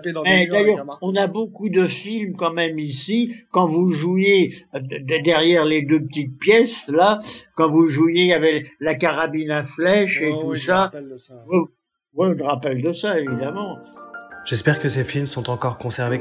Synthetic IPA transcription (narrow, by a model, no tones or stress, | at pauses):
mɛd̪ajœʁɔ̃nabokud̪əfilmkɑ̃mɛmisikɑ̃vuʒue | d̪ɛʁjɛʁled̪øpət̪it̪̚pjɛslakɑ̃vuʒujejavɛlakaʁabinaflɛʃet̪usawɛ | wilʁapɛld̪əsaevid̪amɑ̃ | ʒ̥ɛspɛʁkəsefilmsɔ̃t̪ɑ̃kɔʁkɔ̃sɛʁve